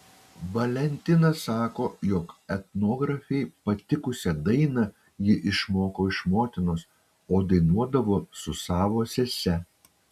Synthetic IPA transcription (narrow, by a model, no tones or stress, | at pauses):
ʋɐlʲɛnʲt̪ʲɪnɐsɑːkoːjoːkɛt̪noːɡɾɐfʲɛɪpɐt̪ʲɪkʊsʲɛd̪ɐɪnɐ | jɪʔɪʃmoːkoːɪʃmoːt̪ʲɪnos | oːd̪ɐɪnuɔd̪ɐʋoːsʊsɑːʋoːsʲɛsʲɛ